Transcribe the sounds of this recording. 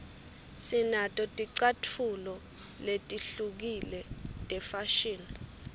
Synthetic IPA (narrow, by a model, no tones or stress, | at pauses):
sinatʼɔtʼiǀatʰulɔ | letʼiɬuk̬ilɛtʼɛfaʃin